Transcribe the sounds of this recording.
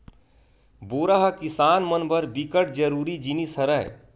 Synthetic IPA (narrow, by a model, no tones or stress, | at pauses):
boɾaɦəkisanmənbəɾbikəʈ̚d͡ʒəɾuɾid͡ʒinisəɾəj̰